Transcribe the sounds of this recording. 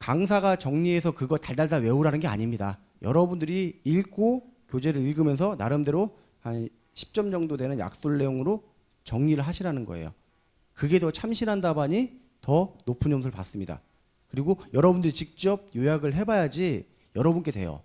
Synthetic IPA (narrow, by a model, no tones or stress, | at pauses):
kaŋsʰaɡat͡ɕʌŋɲie̞sʰʌkɯɡʌtaɭdaɭdawe̞uɾanɯnɡe̞a̰ɲimɲida̰ | jʌ̰ɾʌbundɯɾiːɭk͈ʰokjod͡ʑe̞ɾɯɾiɭɡɯmjʌns̬ʰʌna̰ɾɯmde̞ɾo | han | ɕʰi̥p̚t͡ɕ͈ʌmd͡ʑʌŋdodwe̞nɯnja̰k̚s͈oɭːe̞joŋɯɾo | t͡ɕʌŋɲiɾɯɭɦaɕʰiɾanɯnɡʌe̞̰jo̰ | kɯɡe̞dʌt͡ɕʰamɕʰinɦandabaɲi | tʌnopʰɯnʌms̬ʰɯɭpa̰s͈ɯmɲida̰ | kɯɾiɡojʌɾʌbundɯɾit͡ɕik̚t͡ɕ͈ʌb̚jojaɡɯɭɦe̞bajad͡ʑi | jʌɾʌbunk͈e̞twe̞̰jo̰